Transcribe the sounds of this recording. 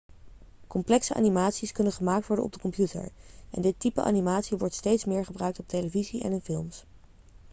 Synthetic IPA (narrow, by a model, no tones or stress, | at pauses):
kɔmplɛksəʔa̰ːnimaːtsiskɵnənχəmaːk̚tʋɔɹdə̰nɔ̰bdəkɔmpjutə̰ɹʔɛ̰ndɪtipəʔa̰ːnimaːtsiʋɔɹtstejtsmɪːɹχəbrœɥk̚tɔp̚tejləviziʔɛ̰nɪnfɪlˠms